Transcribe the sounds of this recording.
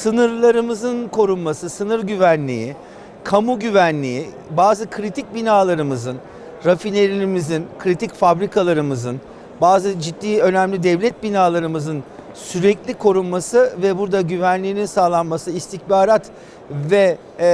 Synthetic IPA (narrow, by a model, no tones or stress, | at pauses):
sɯnɯɾlˠaɾɯmɯzɯnkʰo̞ɾunmasɯsɯnɯɾɟyvænlʲḭjḭ | kʰamuɟyvænlʲḭi | baːzɯkʰɾit̪ʰic̚binaːlˠaɾɯmɯzɯn | ɾafinʲeɾiɾimizinkʰɾit̪ʰicfabɾikʰalˠaɾɯmɯzɯn | baːzɯd͡ʒid̪ːiːø̞næmlʲid̪ɛvlʲɛt̪̚binaːlˠaɾɯmɯzɯn | syɾɛclʲikʰo̞ɾunmasɯvɛbuɾd̪aɟyvænlʲiːninsaːlˠanmasɯist̪ʰiçbaːɾat̪ | vɛ